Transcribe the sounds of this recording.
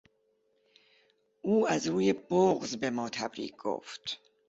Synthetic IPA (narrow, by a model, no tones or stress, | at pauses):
uæzɾuːjɛbɔʁzbɛmɔːt̪ʰabɾḭːɡɡɔ̰ft̪ʰ